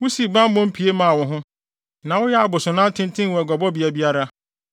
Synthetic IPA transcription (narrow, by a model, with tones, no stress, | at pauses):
wʊ˦si˨bã˦m˦bɔ̃˦m̩˦pʰi˨e˦mã˦˨a˨wʊ̃˦ɦʊ̃˦ | nã˨wʊ˦jɛ˦a˨bʊ˨sʊ˨nã˦n˦tʰɪ̃˦n˦tʰɪ̃˦n˨wɛ˨ɡɔ˨bɔ˦bi˨a˨bi˦a˦ɾa˦